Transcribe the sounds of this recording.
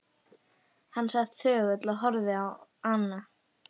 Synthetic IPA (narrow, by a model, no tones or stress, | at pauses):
hanːsaxt̪θœːɣœt̪laðɦɔɾðɪawanːa